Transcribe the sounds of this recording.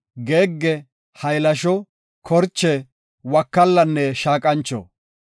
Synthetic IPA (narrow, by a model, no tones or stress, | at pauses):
ɡeːɡːɛ | hɐjlɐʃɔ | kʰɔɾt͡ʃːɛ | wɐkːɐlːɐnːɛʃaːkʼɐnt͡ʃːɔ̰